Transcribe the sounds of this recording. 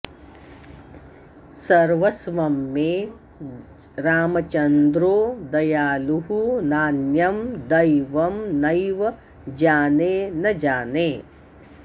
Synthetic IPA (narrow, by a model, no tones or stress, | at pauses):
sɐɾʋɐsʋɐmːeː | ɾaːmɐt͡ʃɐnd̪ɾoːd̪ɐjaːluɦunaːnjɐmd̪ɐjʋɐmnɐjʋɐ | d͡ʒaːneːnɐd͡ʒaːneː